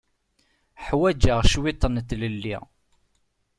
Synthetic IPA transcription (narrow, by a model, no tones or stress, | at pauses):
ħwæd͡ʒaʁʃwit̪ˤːənt̪ləlːḭʁ